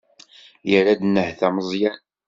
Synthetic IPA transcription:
jəɾad̪ənːəhθæməzˤjɑ

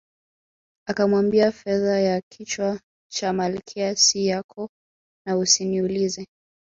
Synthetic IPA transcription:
akamwambiafɛðajakʰit͡ʃwa | t͡ʃamalikʰɛasijakʰɔ | nausiniulizɛ

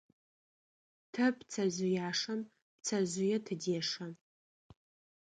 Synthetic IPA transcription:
tʰɐpt͡sʰɐʑʷʊjaːʂɐm | p̚t͡sʰɐʑʊjɛtʰɨdeːʂɐ

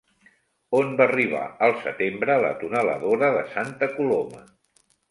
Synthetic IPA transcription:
onbaːriβ̞a̰əlˠsət̪embɾələ̰t̪unələ̰ðoɾəðəsant̪əkulomə

